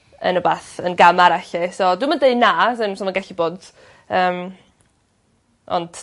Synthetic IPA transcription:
ə̰nəbaːθənɡamaɾaɬɛsɔdumandeɨdnaːsɨnsɔmanɡɛɬiboːd | əːm | ɔ̰nd̥

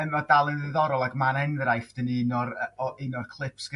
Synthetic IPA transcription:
əmadalˠɨðəðɔɾɔlˠaɡmanɛnvɪɾajfd̥əninɔɾəɔʔɪnɔrkʰlˠɪpsɡ̥

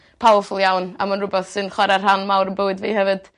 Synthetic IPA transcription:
pʰalˠfʊlˠjawna̰manrʊbɛθsɨnχwɛɾarɦanmawɾənbowɨdvḭːhɛvɨd̥

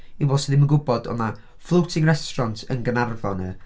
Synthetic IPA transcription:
iwɔlˠsəðɪməɡʊbɔdɔ̰na | flˠowtʰɪŋrɛstrɔntʰənɡənarvɔnə

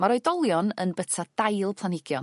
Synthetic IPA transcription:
maɾɔɨdɔlˠjɔnə̰nbətʰad̥ajlˠpʰlˠanɪɡjɔn

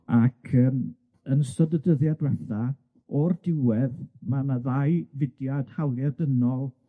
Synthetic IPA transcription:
akʰəːm | ənsɔdədəðjadwɛθa | ɔrdɪwɛðmanaðajvɪdjad̥hawlˠjadənɔlˠ

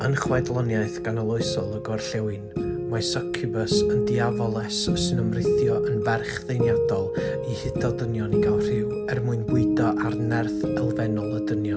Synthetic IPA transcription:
ənχwɛdlˠɔnjajθɡ̥anɔlˠɔɨsɔlˠəɡɔrɬɛwɨnmajsɔkʰəbəsəndiavɔlˠɛsɔsnəmrɪθjɔʔənvɛrχðejnjadɔlˠihɪdʰɔdənjɔniɡawr̥ɪw | ɛrmuɨnbwɪɨdɔʔarnɛrθɛlˠvɛnɔlˠədənjɔ

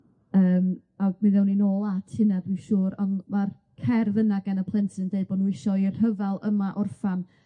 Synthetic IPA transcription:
əːm | amɪðɛwninoːlˠatʰɪnadwiʃuːɾɔnmar | kʰɛrðənaɡanəpʰlˠɛntʰɨndeɨbɔnwɪʃɔɪr̥həvɛlˠəmaʔʊrfan

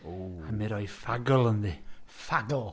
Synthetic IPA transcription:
amɪɾɔjfaɡəlˠənðiːfaɡəlˠ

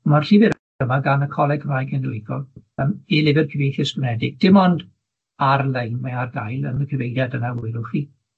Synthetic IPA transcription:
marɬɪvɪɾ | əmaɡanəkʰɔlˠɛɡrmajɡɛnɪɪɡɔlˠəmilɪvɪrkʰəvejθɪsɡ̥ɪnɛdɪɡ̥̚d̥ɪmɔnd | arlejnmaarɡajlˠə̰nəkʰɪvejdjadənaʊɨɾʊχiː

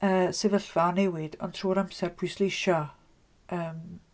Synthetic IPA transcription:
əːsɪvəɬv̥aɔnɛwɪd̥ɔntʰruːɾamsɛrpʰʊjslejʃɔ | əːm

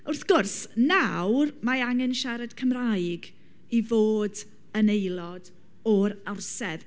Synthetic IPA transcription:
ʊrθɡ̥ʊrsnawrmaaŋɛnʃaɾɛd̥kʰəmrajɡ | ivoːd | ənejlˠɔd | ɔɾawrsɛð

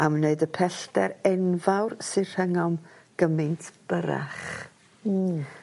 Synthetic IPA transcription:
aməneɨdəpʰɛɬtɛɾɛnvawrsɨr̥həŋɔmɡ̥əmɨntʰb̥əɾa̰χ

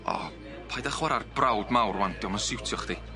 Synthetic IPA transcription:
ɔ̰ | pʰajdaχwaɾarb̥rawdmawrwandjɔmansɪwtʰjɔχd̥i

